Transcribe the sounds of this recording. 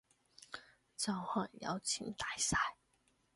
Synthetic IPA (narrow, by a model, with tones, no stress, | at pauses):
t͡sɑ˥˩ŋxwa˥˩njɑ̰˧˥ʊt͡ɕʰi˧˥ŋt̪a˥˩ɪsa˥˩ɪ